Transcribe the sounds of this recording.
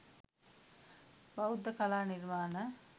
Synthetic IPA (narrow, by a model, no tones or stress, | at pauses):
baud̪ːəkalaːniɾmaːnə